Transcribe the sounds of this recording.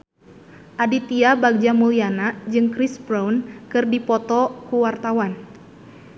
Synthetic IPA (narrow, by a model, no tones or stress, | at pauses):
ʔadit̪iabaɡ̚d͡ʒamulianad͡ʒɨŋkɾisbɾawnkɨrdipɔt̪ɔkuwart̪awan